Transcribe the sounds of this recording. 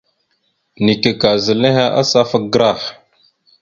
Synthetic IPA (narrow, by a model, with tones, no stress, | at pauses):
ni˨ke˨ka˨zə˨le˦ɦa˦ʔa˦sa˦fə˦k̚ɡɾa˦˨h